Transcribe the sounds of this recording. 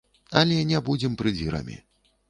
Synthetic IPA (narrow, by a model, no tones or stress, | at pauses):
ɐlʲɛnʲɛbud͡zʲɛmpɾɨd͡zʲiɾɐ̰mʲḭ